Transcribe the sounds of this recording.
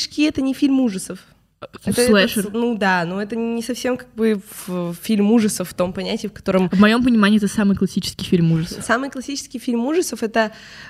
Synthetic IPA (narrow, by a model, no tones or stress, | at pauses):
ʂkʲiɛt̪ənʲɪfʲilʲmuʐəsəf | ɛt̪əlˠɛʂnud̪anuɛt̪ənʲɪsɐfsʲemkaɡ̚bɨvəfʲilʲmuʐəsəfft̪o̞mpɐnʲætʲɪːfkɐ̥t̪o̞ɾəmvmɐjo̞mp̬ənʲɪmanʲɪːɛt̪əsamɨjklˠɐsʲit͡ɕɪ̥skʲɪjfʲilʲmuʐəssamɨjklˠɐsʲit͡ɕɪ̥skʲɪjfʲilʲmuʐəsəfɛt̪ə